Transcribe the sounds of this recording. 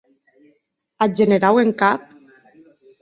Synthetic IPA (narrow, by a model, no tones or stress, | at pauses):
ad͡ʒeneɾaweŋkap̚